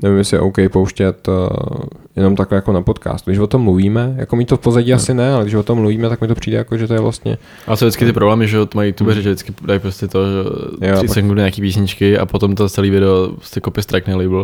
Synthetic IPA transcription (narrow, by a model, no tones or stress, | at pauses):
nɛvɪmɛsɪɛʔowkɛjpowʃcɛt̪ | jɛno̞mt̪aklɛjakonapot̪ka̰ːst̪uɡdɪʃvot̪o̞mːluviːmɛja̰komiːt̪ofpozaɟiːasɪnɛalɛɡdɪʃvot̪omːluviːmɛt̪akmɪt̪opr̥iːdɛjakoʒɛt̪ojɛvlʔa̰st̪ɲɛ̰ | ʔalɛsodɪt͡skɪt̪ɪpɾoblɛːmɪʒɛot̪omajut̪ubɛɾɛʒɛdɪt͡skɪdajpɾoscɛt̪oʒɛjosɛxŋduɲaːkiːpiːsɲɪt͡ʃkɪa̰pot̪omt̪ot͡sɛliːvɪdɛopɾoscɛkopɪst̪ɾajknɛlɪbl̩